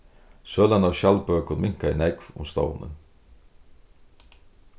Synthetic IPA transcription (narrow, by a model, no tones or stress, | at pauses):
søːlɑnɑːʋʃɑlpœkʰʊnmɪŋkaḭːnɛɡʋʊ̰mst̪ɑ̰ʊnə̰n